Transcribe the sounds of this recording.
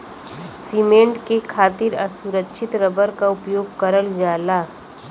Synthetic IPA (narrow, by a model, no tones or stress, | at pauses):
siːmẽːɳʈkekʰaːt̪ɪɾɐsʊɾəkʃʰɪt̪ɾɐbəɾkaʊpjoːɡ̚kɐɾəld͡ʒaːlaː